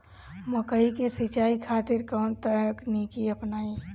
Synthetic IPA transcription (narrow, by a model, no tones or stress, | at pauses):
məkəikesɪt͡ʃaːikʰaːt̪ɪɾkɔːnt̪əɾknikiəpnaːi